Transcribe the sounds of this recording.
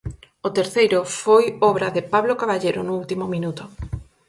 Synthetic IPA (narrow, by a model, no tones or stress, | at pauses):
ʊt̪eɾθejɾʊfojɔβɾɐðɪpaβlokaβaʎejɾʊnʊult̪imʊmĩnut̪ʊ